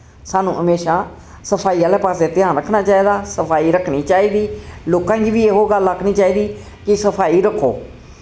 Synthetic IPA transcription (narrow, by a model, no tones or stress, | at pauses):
saːnũːʔəmeːʃaː | səpʰaːiːaːleːpaːseːt̪ɪãːnɾəkʰnaːt͡ʃaːiːd̪aːsəpʰaːiːɾəkʰniːt͡ʃaːiːd̪iːloːkãːɡiːʋiːeːɦoːɡələkʰːniːt͡ʃaːiːd̪iː | kɪsəpʰaːiːɾəkʰːoː